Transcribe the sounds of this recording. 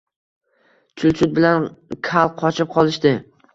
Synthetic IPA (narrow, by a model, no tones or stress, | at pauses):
t͡ʃʰʊlˠt͡ʃʰʊt̪̚bɪlankʰalˠqʰɒt͡ʃʰɪp̚qʰɒlˠɪʃt̪ɪ